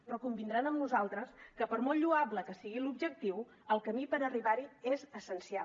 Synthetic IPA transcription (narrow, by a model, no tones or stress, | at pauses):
pɾɔkumbind̪ɾanəmnuzalˠt̪ɾəskəpəɾmɔlʎuabləkəsiɣilubʒək̚t̪iw | əlˠkəmipəɾəriβaɾiezəsənsial